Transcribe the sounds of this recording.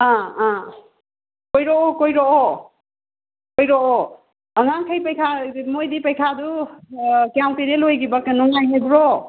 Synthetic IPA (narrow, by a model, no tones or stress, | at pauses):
ãã | kojɾɔɔkojɾɔʔɔ | kojɾɔʔɔ | əŋaŋkʰəjpəjkʰamojdipəjkʰadu | kjawtiɾelojɡibaknɔŋajɦebɾɔ